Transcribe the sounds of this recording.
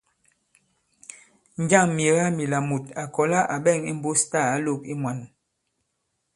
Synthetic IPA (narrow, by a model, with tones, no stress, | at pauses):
n˦d͡ʒa˦˨ŋmje˨ɣa˦mi˨la˨mu˨ta˨kɔ˨la˦ʔa˨ɓɛ˦˨ŋi˦m̩˦bo˦sta˦˨a˦lo˦˨k̚i˦mwa˨˦n